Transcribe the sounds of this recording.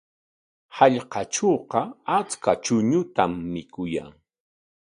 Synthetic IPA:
hɑʎqɑʈ͡ʂoːqɑat͡skat͡ʃʊɲʊt̪amːɪkʊja̰ŋ

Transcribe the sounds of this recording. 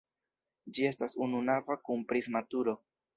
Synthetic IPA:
d͡ʒie̞stasununavakunpɾizmatuɾo̞

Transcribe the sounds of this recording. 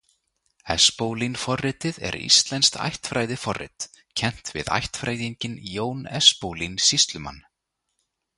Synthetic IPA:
ɛspoːwlinfɔrɪt̪ɪðɛ̰ɾḭst̪lɛnst̪ʰa̰jht̪fɾaːjðɪfɔrːɪ̰t̪ | cʰɛn̥t̪vɪ̰ða̰jht̪fɾaːjðiɲcɪnjoːwnɛspowlinsist̪lʏma̰nː

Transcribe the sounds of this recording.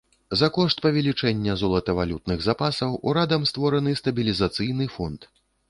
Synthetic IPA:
zɐkɔʂt̪̚pɐvʲɛlʲit͡ʂɛnʲːɐzɔlˠɐt̪ɐvalʲut̪nɨɣzapasɐwʔṵɾad̪ɐmst̪vɔɾɐnɨst̪ɐbʲilʲizat̪sɨjn̪ɨfɔnt̪

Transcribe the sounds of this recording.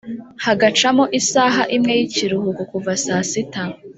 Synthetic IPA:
haɡat͡ʃamo̞ʔisaːɦaʔimŋe̞jiciɾuhukukuvasaːsita

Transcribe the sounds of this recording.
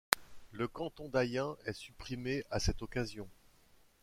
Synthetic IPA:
ləkɑ̃t̪ɔ̃d̪ajɛ̃ɛsypχimeʔasɛt̪ɔkazjɔ̃

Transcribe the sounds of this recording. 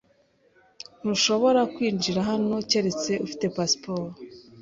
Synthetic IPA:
n̥uʃo̞βo̞ɾakwiːnd͡ʒiɾaɦano̞ce̞ɾe̞t͡se̞ʔufi̥te̞paspoɾ

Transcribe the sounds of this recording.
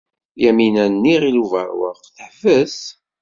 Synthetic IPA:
jæminænːiʁiluvə̰ɾwə̰ʁθəħfəs

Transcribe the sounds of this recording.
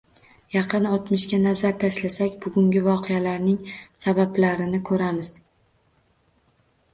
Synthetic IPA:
jɑqɨnɒt̪mɪʃkʲanazaɾt̪ʰaʃlasakʲbʊɡʲʊŋɡʲɪvɒqʰejalaɾnɪŋsabablaɾɪnɪkʰɵɾamɪz̥

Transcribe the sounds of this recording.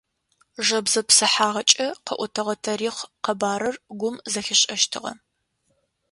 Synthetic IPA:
ʒɐbzɐpsɨħaːʁɐt͡ʃʼɐqɐ̰ʔʷʊtʰɐʁɐtʰɐɾiːχqɐbaːɾɐrɡʷʊmzɐxʲɪɕʼɐʃtʰɨʁɐ̰

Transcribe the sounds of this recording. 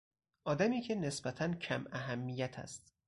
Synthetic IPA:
ʔɒːd̪æmiːcʰe̞ne̞sbæt̪ʰæncʰæmæɦæmːijæt̪ʰæ̰st̪

